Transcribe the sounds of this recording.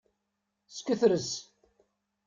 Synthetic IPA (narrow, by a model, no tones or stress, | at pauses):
skəθɾəz